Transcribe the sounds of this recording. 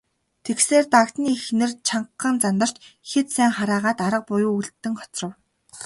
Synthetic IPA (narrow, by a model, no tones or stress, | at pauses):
t̪ʰekseːrt̪akt̪niːxnɘ̆rt͡ɕʰaɴːə̆nt͡sant̪ə̆r̥t͡ɕxet̪sæːŋχaɾaːʁaːt̪aɾə̆q̚pʊjuːuɮt̪ːɘ̆ŋɔ̥t͡srə̆w